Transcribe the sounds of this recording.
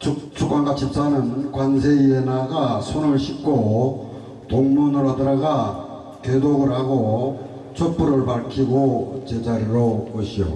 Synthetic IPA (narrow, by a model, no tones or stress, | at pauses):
t͡ɕʰut͡ɕʰukwanɡat͡ɕʰip̚s͈anɯnkwansʰeienaɡasʰonɯɭɕʰik͈ʰo | toŋmunɯɾoɦadɯɾaɡa | tedoɡɯɾɦaɡo | t͡ɕʰop͈uɾɯɭpaɭkʰiɡot͡ɕed͡ʑaɾiɾokoɕʰijo̰